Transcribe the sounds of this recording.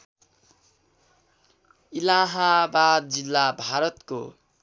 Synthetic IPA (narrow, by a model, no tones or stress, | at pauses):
ilaɦabad̪̚d͡zilːabʱaɾʌt̪ko̰